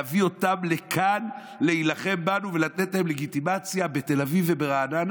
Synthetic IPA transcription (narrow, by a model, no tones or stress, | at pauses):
vio̞tamle̞kʰan | le̞ilaχe̞mbanuve̞lat̪etlahemle̞ɡitimat͡sjabe̞t̪e̞lavivebeʁaːnan